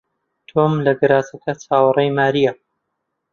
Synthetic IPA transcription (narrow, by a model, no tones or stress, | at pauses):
t̪ʰoːmlɐɡɨɾaːsɐkɐt͡sʰaːwɨrˤɐjmaːɾijɐ